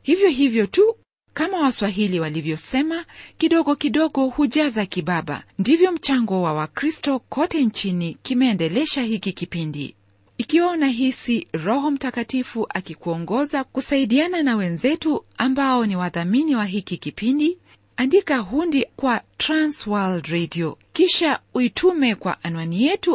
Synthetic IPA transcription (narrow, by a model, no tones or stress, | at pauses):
hivjɔɦivjɔtu | kamawaswaɦiliwalivjɔsɛmakiɗɔɠɔkiɗɔɠɔhuʄazakiɓaɓa̰ndivjɔm̩t͡ʃaŋɡɔwawakɾistɔkʰɔtɛnt͡ʃinikimɛːndɛlɛʃaɦikikipindḭ | ikiwaunaɦisiɾɔɦɔm̩takatifuʔakikuɔŋɡɔzakusaiɗiananawɛnzɛtuambaɔniwaðaminiwaɦikikipindi | andikaɦundikwatɾanswaldɾediɔkiʃauitʰumɛkwa̰ʔanwanijɛtu